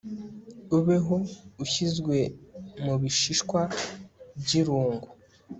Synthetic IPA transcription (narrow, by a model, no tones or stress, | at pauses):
uβeɦouçizɡwe̞muβiʃiʃkwabɟiɾuːŋɡu